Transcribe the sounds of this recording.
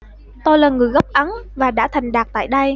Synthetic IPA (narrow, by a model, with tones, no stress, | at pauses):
t̪o˧jlaː˨˩ŋɨ˨˩əjɣɔ˦˥k͡p̚ʔa˨˦nvaː˨˩ɗa̰ː˧˥t̪ʰa˨˩jŋ̟ɗaː˨˩k̚t̪a̰ː˧˨jɗə˧j